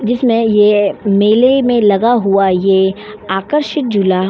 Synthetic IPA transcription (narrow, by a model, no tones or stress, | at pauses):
d͡ʒɪsmẽjemeːlemẽlɐɡaɦuaje | aːkəɾʃɪt̪̚d͡ʒʊla